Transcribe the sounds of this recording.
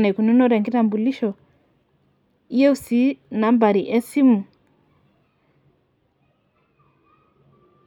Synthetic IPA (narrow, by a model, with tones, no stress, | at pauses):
nɛ˨ku˨nu˦nɔ˦ɾɛ˨ŋɡi˦ɾa˨mbu˨li˦ʃɔ˨ | i˦jɛ˦u˦si˦na˨˦mba˨ɾi˨ʔɛ˦si˦mu˨